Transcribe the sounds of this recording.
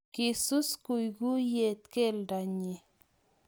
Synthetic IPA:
ki˨su˦sku˨jɡu˦je˨t̪ke˦lda˨ɲi˨

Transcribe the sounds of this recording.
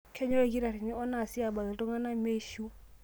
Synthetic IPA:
kʰɛ˦ɲɔ˦e˦k̬i˦ɾa˨ɾi˨ni˦ɔ˦na˨si˦a˨ba˨la˨tɔ˦ŋa˦na˦me˦ʃu˦

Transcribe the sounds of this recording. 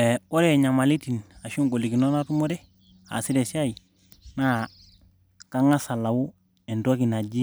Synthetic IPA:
e˨o˦ɾe˦˨ɲa˨ma˨li˦ti˨na˨ʃu˦ŋɡo˨li˨ki˨no˦na˦tu˦mo˦ɾe˦ | a̰˨si˦ɾe˨sa˦i˨ | na˦ | ka˦ŋa˦sa˨la˨wu˦ | e˨ndo˦ki˨na˨d͡ʒi˦

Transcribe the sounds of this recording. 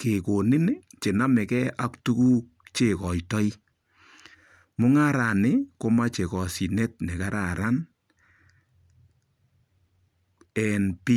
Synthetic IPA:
ke˨ko˨ni˦nt͡ʃe˨na˦mɛ˨kɛ˦ʔa˦ktu˦ku˦k̚t͡ʃe˨kɔ˨jtɔ˦i˦ | mʊ˦ŋa˦ɾa˨nɪ˦ko˦ma˦t͡ʃe˨kɔ˨si˨ne˦t̚ne˨ka˦ɾa˨ɾa˦n | ɛ˨npi˦

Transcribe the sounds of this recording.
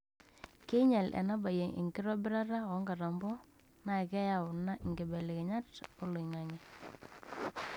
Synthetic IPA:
ke˦ɲa˨lʔɛ̰˨na˦ba˨je˨ŋʔɪ̰˨ŋɡɪ˦ɾɔ˦bɪ˦ɾa˦ɾa˦ɔ˨˦ŋɡa˨ɾa˨mbɔ˦ | na˨kɛ˦ja˨wʊ˨na˦ʔɪ˨ŋɡe˨bɛ˨le˨ke˨ɲa˦to˦lo˨i˨ŋa˨ŋɛ˦˨

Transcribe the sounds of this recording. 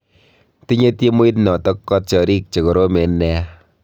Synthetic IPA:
ti˦ɲe˦ti˦mu˦i˦tnɔ˨tɔ˦kːɔ˦t̚t͡ʃɔ˨ɾi˦k̚t͡ʃe˨ko˨ɾo˦me˨nːɛ˦

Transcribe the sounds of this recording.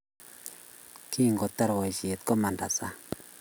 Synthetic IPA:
kʰi˦˨ŋɡɔ˨tːa˦ɾwa˨jʃi˨e˨t̚kɔ˦ma˨nda˨sa˦

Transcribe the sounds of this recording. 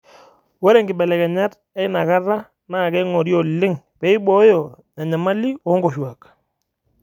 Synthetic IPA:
wɔ˦ɾɛ˦˨ŋɡɪ˨bɛ˨lɛ˨kɛ˨ɲa˦t | ɛ˦jna˨ka˦ra˦ | na˦˨kɛ˦ŋɔ˨ɾjɔ˨lɪ˦ŋ | pɛ˨˦ɪ˦bɔ˦jɔ˨ | na˨ɲa˨ma˦li˦ɔ˨˦ŋɡɔ˨ʃwa˨k

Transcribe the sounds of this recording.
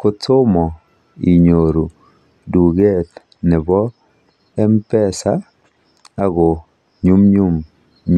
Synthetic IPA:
ko˨tʊ˦mɔ˨ | i˨ɲoɾu˨ | du˨ɡe˦t | nɛ˨bɔ˦ | ɛ˦mpɛ˦sa˦ | a˦ɡɔ˨ | ɲu˦mɲu˦m | ɲ

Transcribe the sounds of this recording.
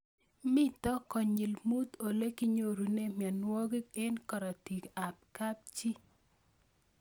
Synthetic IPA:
mɪ˦t̪ɔ˦kɔ˨ɲi˨lmu˦t̪o˨le˦ki˦ɲo˦˨ɾu˨ne˦mja˨nwɔ˦ɡɪ˦kɛ˦nkɔ˨ɾɔ˨ti˨ka˨p̚ka˦p̚t͡ʃi˦

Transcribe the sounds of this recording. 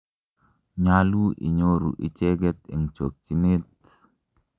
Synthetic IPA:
ɲalu˦ʔḭ˨ɲo˦ɾṵ˨ʔi˨t͡ʃe˦ɡɛ˦t̪ɛ̰˨ŋt͡ʃo˨k̚t͡ʃi˨ne˦t̪̚

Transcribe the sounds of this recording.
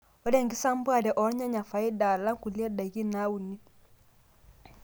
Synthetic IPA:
ɔ˦dɛ˦˨ŋɡi˦sa˦m˦bwa˦˨ɾɛ˨ʔɔ˨˦ɾɲa˦ɲa˨fa˨i˦da˨la˦ŋ˦ku˨li˦ɛ˦da˨ɣi˦na˦u˨ni˦

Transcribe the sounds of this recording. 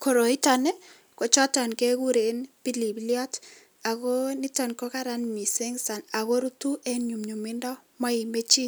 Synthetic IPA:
ko˨ɾo˨i˦ta˨ne˦ | ko˨t͡ʃɔ˦tɔ˨nke˦ku˦ɾe˨npi˦li˨bljɔ˦t | a˨ko˦nɪ˦tɔ˨nkɔ˦ka˦ɾa˦nmi˨se˦ŋsa˨na˨ɣo˦ɾu˦tu˦ʔe˦ɲu˨mɲu˨mɪ˦ndɔ˦ma˦i˨me˦t͡ʃi˦

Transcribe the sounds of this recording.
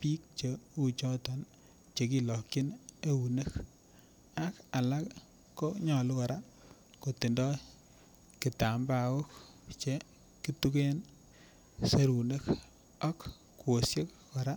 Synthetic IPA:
pi˦k̚t͡ʃe˨u˦t͡ʃɔ˦tɔ˨n | t͡ʃe˨ki˦lɔ˨kːi˦ne˦u˨ne˦k | a˦ka˨la˦kː | o˦ɲɔ˨lu˦kɔ˨ɾa˦ | ko˨ti˨ndɔ˦ | ki˨ta˨mba˨wo˦k | t͡ʃe˦ | ki˦tu˦ke˦n | se˦ɾu˨ne˦k | a˦kː | uo˨sje˦k | kɔ˨ɾa˦

